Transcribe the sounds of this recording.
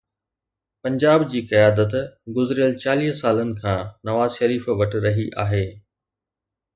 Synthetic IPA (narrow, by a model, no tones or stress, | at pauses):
pɐ̃ɲd͡ʑaːbd͡ʑiːkɐjaːd̪ət̪ɡʊzɪɾijəlt͡ɕaːliːɦsaːlənɪ̆kʰãːnɐʋaːzʃɐɾiːfʋɐʈ̆ɾɐɦiʔa̰ːɦeː